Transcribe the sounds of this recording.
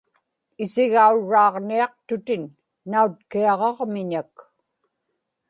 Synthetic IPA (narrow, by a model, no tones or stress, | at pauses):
ɪsɪɣauɻːɑːʁniɑq̚t̪ʊt̪ɪnː | aut̪̚kiɑʁɑʁmɪɲak